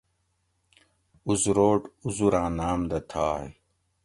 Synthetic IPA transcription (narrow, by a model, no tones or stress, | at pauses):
uzɾoːʈuzuɾãːnaːmd̪ɐt̪ʰaːḛ